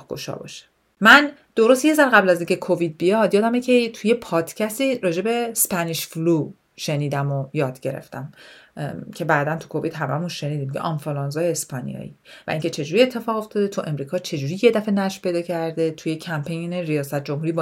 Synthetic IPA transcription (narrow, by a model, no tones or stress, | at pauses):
hɡo̰ʃɒ̰bɒ̰ʃe̥ | mænd̪̥o̞ɾost̪je̞zæɾɢæblæziŋcʲʰe̞kʰovid̪̚bijɒd̪jɒːd̪æmecʰet̪ʰuje̞pʰɒːd̪̥cʰæst̪iɾɒːd͡ʒe̞be̞spʰæniʃflu | ʃe̞niːd̪æmojɒːd̪̥ɟe̞ɾḛft̪æm | cʰe̞bæːd̪ænt̪ʰu̥kʰo̞vit̪ɦæmæ̰munʃe̞nid̪imjḛʔɒnfolɑnzɒjeespʰɒnḭjɒ̰ːḭvæ̰ʔiːŋkcʰe̞t͡ʃʰe̞d͡ʒuɾiet̪ʰːe̞fɒːɣo̞ft̪ɒːd̪et̪ʰuʔe̞mɾiːkʰɒːt͡ʃʰe̞d͡ʒuːɾije̞d̪æfe̞næʃpʰe̞jd̪ɒːcʰæɾd̪et̪ʰujecʰæmpʰejneɾijɒːsæt̪̚ʰd͡ʒo̞mhuɾiːb